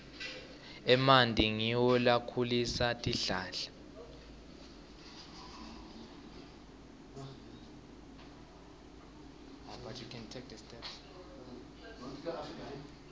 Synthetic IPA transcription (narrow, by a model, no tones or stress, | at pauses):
ɛmandʱʼiŋiwɔlakʰulisatʼiɬaːɬḁ | apat͡ʃukʰɛntʰɛk̚dɛstʼɛps